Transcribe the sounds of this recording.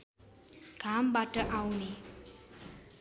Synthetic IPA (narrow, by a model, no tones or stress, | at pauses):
ɡ̥ʱambaʈəʔawne